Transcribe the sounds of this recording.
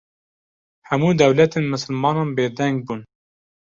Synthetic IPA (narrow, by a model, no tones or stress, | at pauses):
hæmuːd̪ɛwlɛt̪eːnmɨsɨlmɑːnɑːnbeːd̪ɛŋɡ̚buːn